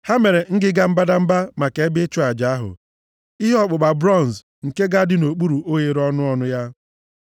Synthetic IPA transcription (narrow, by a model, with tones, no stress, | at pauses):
ha˦me˨ɾe˨ŋ̩˦ɡɪ˦ɡa˦m̩˦ba˦da˦m̩˦ba˦ma˨ke˨˦e˦bɪ˦t͡ʃʊ˦a˨d͡ʒa˨a˦ɦʊ̰˨ | i˦ɦɔ˦k͡pʊ˨k͡pa˨bɾɔ˦˨n˨s | ŋ̩˨ke˦ɡa˦dɪ˦no˨k͡pu˦ɾu˨o˦je˨ɾɔ˦nʊ˦ɔ˦nʊ˦ja˦